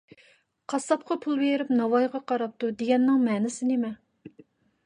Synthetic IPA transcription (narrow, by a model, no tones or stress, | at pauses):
qʰɑsɑp̚qʰɑpʰulˠbeɾɪpnɑwɑjʁɑqʰɑɾɑp̚t̪ʰud̪eɡʲɛnːɪŋmɛːnɪsɪnɪmɛ